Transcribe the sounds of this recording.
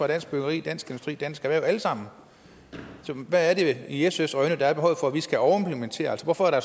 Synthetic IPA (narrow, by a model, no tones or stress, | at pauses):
ʁɑ̈ɾ̥æn̰sɡ̥b̥øɡ̥ɐʁḭːd̥æn̰sɡ̥e̝ndusd̥ʁḭːd̥ænsɡ̥æʋæɐjoæləsɑ̈m̰n̩ | sɒʋæːɐɾe̝iesesʁœɪnəd̥ɑ̈æɐb̥eɦɒ̰ʊð̩ˠfɒ̽æʋisɡ̥æɒʊɐe̝mpʰlement͡sʰe̝̰ːɐælsɒʋɒfɒ̽æɐɾ̥æɐ